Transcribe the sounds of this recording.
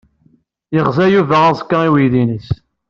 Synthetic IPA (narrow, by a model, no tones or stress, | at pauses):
jəʁzæjuvææzkːaiwiðinis